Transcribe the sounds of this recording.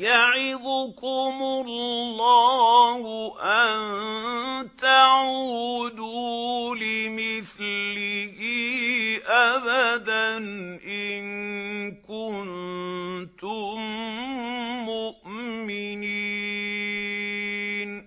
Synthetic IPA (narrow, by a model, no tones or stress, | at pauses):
jaʕɪðʊkʊmʊlːɑːhʊʔan | t̪aʕuːd̪uːlɪmɪθɪhɪʔabad̪anʔɪnkʊn | t̪ʊm | mʊʔmɪni | n